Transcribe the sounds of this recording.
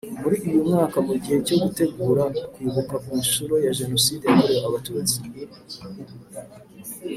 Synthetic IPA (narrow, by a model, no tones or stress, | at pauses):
muɾiʔːjomŋaːkamuɟihe̞co̞ɡute̞ɡuːɾakwiːβukakumiʃuɾo̞jaʒe̞no̞siːdejakoɾejaaβatuːɾaziɡi